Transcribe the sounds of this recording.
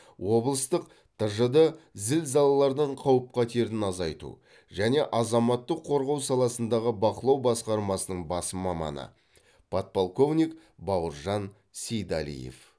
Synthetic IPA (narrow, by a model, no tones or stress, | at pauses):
wo̞blˠəst̪əq | t̪ʰəʒəd̪əzɪlzɑlˠɑlˠɑɾd̪əɴqʰɑwəp̚qɑt̪ʰeɾɪnɑzɑjt̪ṵ | ʒæne̞ʔɑzɑmɑt̪ːəqʰːo̞ɾʁɑwsɑlˠɑsənd̪ɑʁəbɑqəlˠɑwbɑsqɑɾmɑsənəɴbɑsəmɑmɑ̰nə̰ | pʰot̪̚polˠko̞vnʲik | bɑwəɾʒɑn | sejd̪ɑ̰lḭjḛf